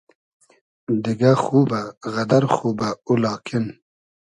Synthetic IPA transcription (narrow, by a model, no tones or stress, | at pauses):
d̪iɡaxuːbaɣɐd̪ɐɾxuːbaulɑːkʰin